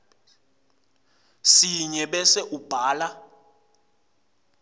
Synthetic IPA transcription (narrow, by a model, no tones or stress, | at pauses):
siɲɛɓɛsɛʔub̥ʱaːla